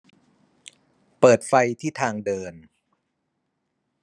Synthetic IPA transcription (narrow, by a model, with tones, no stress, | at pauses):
pɤː˨˩t̪̚fa˧jt̪ʰiː˥˩t̪ʰaː˧ŋdɤː˧n